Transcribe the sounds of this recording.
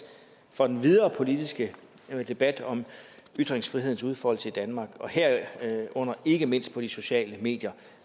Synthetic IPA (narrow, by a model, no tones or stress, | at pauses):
fɒ̽d̥enʋið̞ˠɐːpʰo̝lid̥isɡ̥əd̥e̝b̥æd̥ɒ̽myd̥ʁeŋsfʁiɦe̝ð̞̰ˠn̩suð̞ˠfɒhɒl̰t͡sʰe̝d̥ænmɑ̈ːɡ̥ɒ̽heɐ̰ɔ̽n̰ɐʔe̝ɡ̥əme̝n̰sd̥̚pʰɒ̽d̥iso̝ɕɛ̰ːləme̝̰ːd̥jɐ